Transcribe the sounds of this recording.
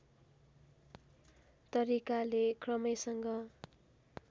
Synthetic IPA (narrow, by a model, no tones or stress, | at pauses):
t̪ʌɾikalekʰrʌmʌjsʌŋɡʌ